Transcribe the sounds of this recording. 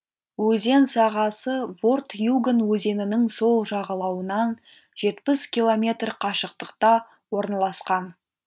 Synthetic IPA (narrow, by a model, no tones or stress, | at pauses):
wɵze̞nsɑʁɑsəvo̞rt̪juɡənwɵze̞nɪnɪŋso̞lˠʒɑʁɑlˠɑwənɑn | ʒ̥e̞t̪pɪskʲilˠo̞mʲe̞t̪rqʰɑʃəq̚t̪əqt̪ɑ | wo̞ɾnɑlˠɑsqɑn